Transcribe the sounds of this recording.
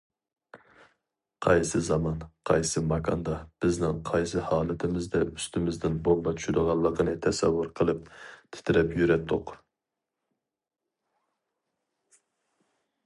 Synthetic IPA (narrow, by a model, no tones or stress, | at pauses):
qʰɑjsɨzɑmɑnqʰɑjsɨmɑkʰɑ̰nd̪ɑb̥ɪznɪŋqʰɑjsɨhɑːlˠɨt̪ʰɪmɪzd̪ɛyst̪ɪmɪzd̪ɪnbolˠmɑt͡ʃʰy̥ʃyd̪əʁɑlˠːəqənɨt̪ʰɛsɛ̰wːʊɾqʰəlˠɨp̚t̪ʰɪ̥t̪ʰɪɾɛpjyɾɛt̪ʰːʊq